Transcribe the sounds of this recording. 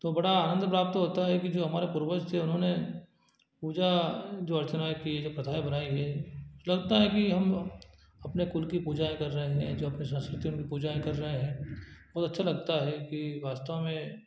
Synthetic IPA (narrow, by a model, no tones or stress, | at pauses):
t̪oːbɐɽaaːnə̃nd̪pɾaːp̚t̪ɦoːt̪aɦɛkid͡ʒoːɦɐmaːɾepʊɾbəd͡ʒt̪ʰeʊnɦõne | puːd͡ʒad͡ʒoːɐɾt͡ʃənaːkied͡ʒopɾɐt̪ʰaːibɐnaːiɦɛlɐɡt̪aɦɛkiɦɐm | ɐpnekʊlkipuːd͡ʒaẽkɐɾːɐɦeɦɛ̰̃d͡ʒoːɐpnisə̃nskɾɪt̪iʊnkipuːd͡ʒaẽkɐɾːəɦeɦɛ̃ːbɔːt̪ɐtːʃʰalɐɡt̪aɦɛkiʋaːst̪əʋmẽ